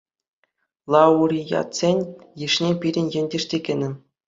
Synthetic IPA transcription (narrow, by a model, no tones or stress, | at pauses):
lˠɑuɾʲijɑ̰t̪sʲenʲjiʂnʲepʲiɾʲɘ̆nʲjɘ̆nʲdʲɘ̆ʂtʲekʲɘ̆nʲɘ̆